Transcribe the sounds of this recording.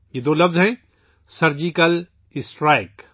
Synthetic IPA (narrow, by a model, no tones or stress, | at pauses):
jed̪oːlɐfzɦɛ̃ | sɐɾd͡ʒiːkɐl | ɪsʈɾaːɪk